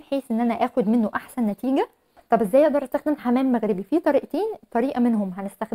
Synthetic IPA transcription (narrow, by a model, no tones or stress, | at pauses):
ħeːsʔenːʔænæʔæːxod̪menːoʔaħsænːæt̪iːɡæ | t̪ˤɑbʔezːæjʔeʔd̪ɑɾʔæst̪æxd̪emħamæːmːæɣɾebifiːt̪ˤɑɾiːʔt̪iːnt̪ˤːɑɾiːʔɑmenɦomɦænest̪æxd̪